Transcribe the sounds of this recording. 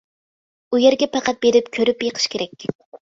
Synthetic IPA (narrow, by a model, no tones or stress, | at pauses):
ujeɾɡʲɛpʰɑqʰɑt̪̚beɾɪpkʲʰøɾypjeqʰə̥ʃkʲʰeɾɛkʲ